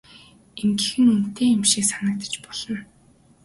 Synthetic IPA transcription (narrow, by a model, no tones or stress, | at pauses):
eŋɡɘ̆xɘ̆nun̥t̪eːemʃiːksanə̆k̚t̪ə̥̆t͡ɕpɔɮ̥ɞ̆n